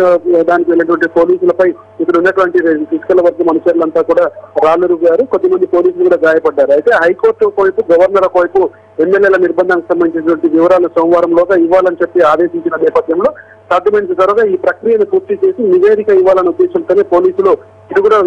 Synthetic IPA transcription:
d̪aːnikiʋelːɐʈ̬ʋɐɳʈipo̞ːliːsulɐpɐj | it̪ɐunːɐʈʋɐɳʈifisi̥kɐlɐʋɐɾd̪ɐmɐnut͡ʃɐɾulɐnt̪aːkuːɽaːɾaːluɾuɡjaːɾukot̪ɐmɐnd̪ipoːliːs̬ulukuːɽaːɡaːjɐpɐɖːaːɾuɐjt̪eːɦɐjko̞ːɾʈlokoːjpuɡɐʋɐɾnɐɾlɐkoːjpu | emːelːjeːlɐniɾbɐnd̪ʱɐːnɐkisɐmbɐnd̪it͡ʃinɐʈʋɐɳʈiʋiʋɐɾaːlusɐːmʋaːɾɐmloːɡaiʋːaːlɐnit͡ʃepːiaːd̪e̞ːʃiɲt͡ʃinɐnɛːpɐd̪ʱjɐmlo̞ː | sɐɾʈ̪imensɐt̪ɐɾɐɡaiːpɾɐkɾijɐnipuːɾt̪it͡ʃe̞ːsiniʋeːɾikɐiʋːaːlɐneud̪ːeːʃɐmt̪ɐnepo̞ːliːsulu | id̪ikuːɽa

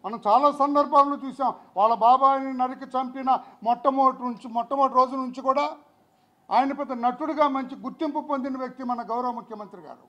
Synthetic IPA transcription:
mɐnɐmt͡ʃaːlaːsɐnd̪ɐɾbʱaːllut͡ʃuːsaːmʋaːɭːɐbaːbaːjninɐɾikit͡ʃɐmpinɐmɔʈːɐmoːʈnuɲt͡ʃimɔʈːɐmoːʈɾoːd͡ʒunuɲt͡ʃikuːɽaː | a̰ːjɐnɐpɛd̪ːɐnɐʈuɽuɡaːmɐɲt͡ʃiɡuɾt̪ːimpupond̪inɐʋjɐk̚t̪imɐnɐɡɐwɾɐʋɐmukʰjɐmɐnt̪ɾiɡa̰ːɾṵ

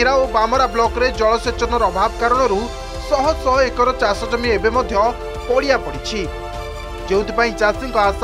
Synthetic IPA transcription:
iɾaobamɔɾablɔkɔɾed͡ʒɔɭɔset͡ʃɔnɔɾbʱabɔkaɾɔɽ̃ɔɾu | sɔɦɔsɔɦɔekɔɾɔt͡ʃasɔd͡ʒɔmiebemɔd̪ʱjɔ | pɔɽiapɔɽit͡ʃʰi | d͡ʒeũnt̪ipaĩt͡ʃasiŋkɔas

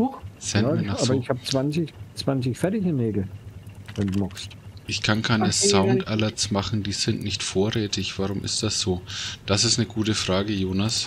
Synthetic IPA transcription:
z̥anaaːbɐɪçhaːb̚ət͡sv̥ansɪçt͡sv̥ansɪçfɛɐtɪçɪnneːɡl̩vɛnduːmɔkstʔɪçkʰankʰaɪnəsaʊntʔalasmaχn̩diːz̥ɪntnɪçtfoːɐʁɛːtʰɪçv̥aʁʊmʔɪ̰st̚d̥asz̥oːd̥asɪstnəɡuːtəfʁ̥aːɡəjoːnas

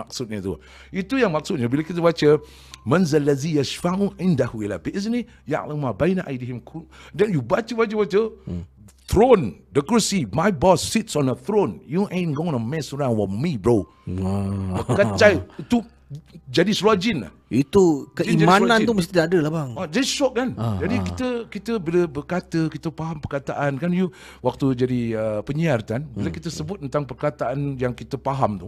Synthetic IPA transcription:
maksut̚ɲət̪ṵ | it̪ujaŋmak̚sut̚ɲəbiləkit̪əbat͡ʃə | mãnzalːazijaʃfaʔuʕɪ̃ndahuilabitizəni | ja̰ʔlamabajnaʔa̰jdiɦimkʰudɛnjubat͡ʃəbat͡ʃəbat͡ʃə | t̪ɾondəkɾusimajbɔsːitsɔ̃nəθɾõnjuʔɛ̃nɡõnəmɛsɹãnwɔmibɹo | bəkət͡ʃajit̪u | d͡ʒadisɾuad͡ʒɪna̰hit̪ukəimãnãnt̪uməst̪idaadəlabaŋad͡ʒadiʃɔʔ̚kand͡ʒadikit̪əkit̪əbiləbərkat̪əkit̪əpaɦampərkat̪aʔankanju | wak̚t̪ud͡ʒadiəpəɲiart̪anbiləkit̪əsəbʊt̪̚ːənt̪aŋpərkat̪aʔanjaŋkit̪əpaɦamt̪u

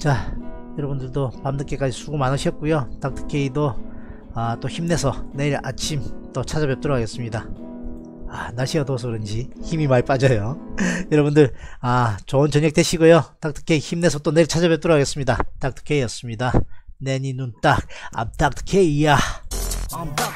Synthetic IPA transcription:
t͡ɕajʌɾʌbundɯɭdopamnɯk͈e̞k͈ad͡ʑisʰuɡomanɯɕʰiʌt̚k͈ujot͈ak̚tʰɯ̥kʰe̞ido | at͈oçimne̞sʰʌne̞iɾa̰t͡ɕʰimt͈ot͡ɕʰad͡ʑʌbe̞p̚t͈ʌɾʌkʰaɡe̞s͈ɯmɲida | anaɭɕʰiʌtosʰʌkɯɾʌnd͡ʑiçimimaip͈ad͡ʑʌjojʌɾʌbundɯɭat͡ɕʌɯnt͡ɕʌɲʌk̚t͈e̞ɕʰiɡojot͈ak̚t͈ʰɯ̥kʰe̞içimne̞sʰʌt͈one̞iɭt͡ɕʰad͡ʑʌβbe̞p̚t͈ʌɾʌɡaɡes͈ɯmɲidat͈ak̚tʰɯ̥kʰe̞ijʌs͈ɯmɲidane̞ɲinunt͈ak̚a̰p̚t͈ak̚tʰɯ̥kʰeija

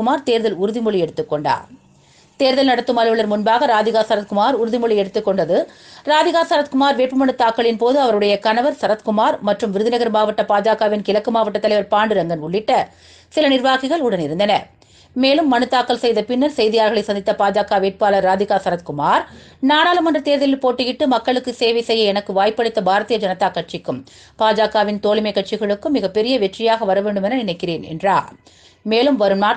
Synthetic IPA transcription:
ʊmaːɾt̪eːɾðɐlʊɾɯðɪmʊɭiɛɽɯt̪ːɯkːɔɳɖa̰ː | t̪eːɾðɐlnɐɽɐt̪ːɯmɐlɪʋɐɭɐɾmʊnbaːɣɐɾaːðɪɣaːsɐɾɐt̪̚kʊmaːɾʊɾɯðɪmʊɭɪɛɽɯt̪ːɯkːɔɳɖɐðɯɾaːðɪɣaːsɐɾɐt̪kʊmaːɾʋeːpːɯmɐɳɯt̪ːaːkːɐɭɪnpoːðɯɐʋɐɾɯɽɐjɐkɐnɐʋɐɾsɐɾɐt̪kʊmaːɾmɐʈrɯmʋɪɾɯðɪnɐɣɐɾmaːʋɐʈːɐpaːd͡ʒaːkaːʋɪnkɪlɐkːɯmaːʋɐʈːɐt̪ːɐlɐɪʋɐɾpaːɳɖɯɾɐŋɡɐnʊɭːɪʈːɐ | sɪlɐnɪɾʋaːɣɪɣɐɭʊɽɐnɪɾɯnd̪ɐnɐ | meːlɯmːɐnɯt̪ːaːkːɐlsɛjðɐpɪnːɐɾsɛjðɪjaːɾɣɐɭɐɪsɐnd̪ɪt̪ːɐpaːd͡ʒaːkaːʋeːʈ̚paːlɐɾaːd̪ɪɣaːsɐɾɐt̪kʊmaːɾ | naːɽaːlɐmɐndrɐt̪eːɾðɐlɪlpoːʈːɯjɪʈːɯmɐkːɐɭɯkːɯseːʋɐɪsɛjːɐɛnɐkːɯʋaːjpːɐɽɯt̪ːɐbʱaːɾɐt̪ɪjɐd͡ʒɐnɐt̪ːaːkːɐʈ̚t͡ʃɪkːɯm | paːd͡ʒaːkaːʋɪnt̪oːɭɪmɐɪkːɐʈt͡ʃɪɣɐɭɯkːɯmːɪɣɐpːɛɾɪjɐʋɛʈrɪjaːɣɐʋɐɾɐʋeːɳɖɯmɛnːɐnɪnɐɪkːɪɾeːnɛ̰ndraː | meːlɯmʋɐɾɯmnaː

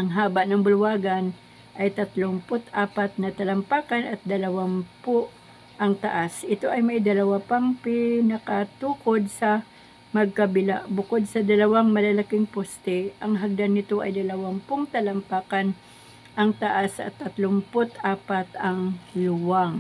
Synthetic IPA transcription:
ʔɐŋɦaːbɐʔnɐŋbʊlʊwaːɡɐn | ʔɐjt̪ɐt̪lompʊt̪ʔaːpat̪̚nɐt̪ɐlɐmpaːkɐnɐt̪̚d̪ɐlɐwampoʔ | ʔɐŋt̪ɐ̰ʔasʔɪt̪o̞ʔɐjmɐjd̪ɐlɐwapɐŋpɪnɐkɐt̪uːkod̪̚sɐ | mɐɡ̚kɐbɪla̰ʔbʊkod̪̚sɐd̪ɐlɐwaŋmɐlɐlɐkɪŋpost̪ɛʔɐŋɦɐɡ̚d̪anːɪt̪o̞ʔɐjd̪ɐlɐwampoŋt̪ɐlɐmpaːkan | ʔɐŋt̪ɐʔasʔɐ̰t̪ːɐt̪lʊmpot̪ʔaːpat̪ɐŋlʊwaŋ

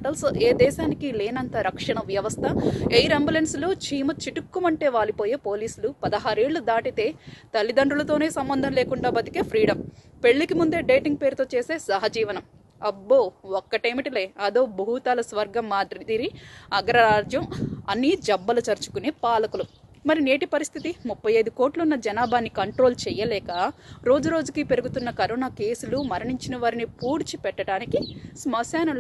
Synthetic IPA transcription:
ʈɐlsoːʔeːd̪ɛːʃaːnikileːnɐnt̪ɐɾɐkʂɐɳɐʋjɐʋɐst̪ʰɐejɾembulensloːt͡ʃʰiːmɐt͡ʃiʈukːumɐɳʈe̞ːʋaːlipo̞ːjeːpoːliːsulupɐd̪ɐɦaːɾe̞ːɭːud̪aːʈit̪e̞ːt̪ɐlːid̪ɐɳɖulɐt̪o̞ːne̞ːsɐmbɐnd̪ʱɐnleːkuɳɖaːbɐt̪i̥keːpʰɾiːɖɐm | pe̞ɭːikimund̪e̞ːɖeːʈiŋɡ̚pe̞ːɾut̪oːt͡ʃeːse̞ːsɐɦɐd͡ʒiːʋɐnɐm | ɐbːoːɔkːɐʈeːmiʈileːɐd̪o̞ːbɐɦut̪aːlɐsʋɐɾɡɐmːaːd̪ɾid̪iɾiɐɡɾɐɾaːɾd͡ʒjɐmɐnːid͡ʒɐbːɐlut͡ʃɐɾt͡ʃu̥kuneːpaːlɐkulumɐɾine̞ːʈipɐɾist̪ʰit̪imupːɐjɐjd̪uko̞ːʈlɐunːɐd͡ʒɐnaːbʱaːnːikɐɳʈɾo̞ːlt͡ʃɛjɐlɛːkɐɾo̞ːd͡ʒuɾo̞ːd͡ʒukipe̞ɾuɡut̪unːɐkɐɾɔːnaːke̞ːsulumɐɾɐɳiɲt͡ʃinɐʋaːɾinipuːɾt͡ʃipɛʈːɐʈaːnikismɐsaːnɐ

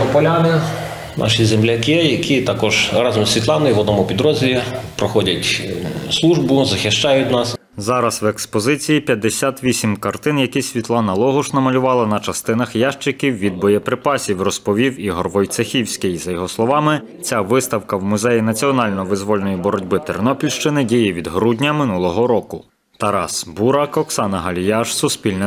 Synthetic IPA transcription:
ɔpɔlʲanɪ | nʔɑ̰ʃizemlʲɐkʲɪjɐkʲʰit̪ɑkɔʒ̥ɾɑzɔmsʲʋʲit̪lˠɑnɪjiʋɔd̪nɔmʊpʲid̪ɾɔzʲɪlʲipɾɔxɔdʲɐtʲslˠuʒbʊzɐxɪʃt͡ʃɑjʊtʲnɑs | zɑɾɐswekspɔzɪt͡sʲijipʲjɐd̪ːesʲat̪ʋʲisʲimkɐrt̪ɪnjɐkisʲʋʲit̪lˠɑnɐlˠɔɦʊʃnɐmɐlʲʊʋɑlˠɐnɐt͡ʃɐst̪ɪnɐxjɑʃt͡ʃɪkʲiwʋʲid̪̚bɔjɛpɾɪpɑsʲiwrɔspɔʋʲiwiɦɔrʋɔjt̪sexʲiwsʲkɪjzɐjɔɦɔslˠɔʋɑmɪ | t͡sʲaʋɪst̪ɐwkɐwmʊzɛjinɐt͡sʲiɔnɑlʲnɔʋɪzʋɔlʲnɔjibɔɾɔdʲbɪt̪eɾnɔpʲilʲʃt͡ʃɪnɪdʲijiʋʲid̪ɦɾudʲnʲɐmɪnulˠɔɦɔɾɔkʊ | t̪ɐɾɑsbuɾɑkɔksɑnɐɦɐlʲjɑʃsʊspʲilʲnɪ

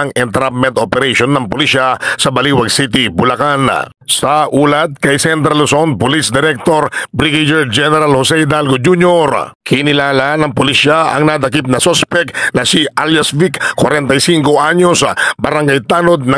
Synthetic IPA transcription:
ɐŋɛnt̪ɾap̚mɛnt̪ʔopɛɾɛjʃonːɐŋpʊliʃasɐbɐliːwɐɡsit̪̬ɪbʊlakan | sɐʔuːlɐt̪̚kɐjsɛnt̪ɾɐlosonpolisd̪ɛɾɛk̚t̪oɾbɾiɡad͡ʒɛɹd͡ʒɛnɛɾalhosɛjd̪alɡod͡ʒuɲjoɾkʰɪnɪlaːlanɐŋpʊliʃaʔɐ̰ŋnad̪ɐkip̚nɐsospɛknɐsiʔaljasvikkwɐɾɛnt̪ɐjsiŋko̞ʔaɲo̞sbɐɾaŋɡajt̪aːno̞d̪̚nɐ

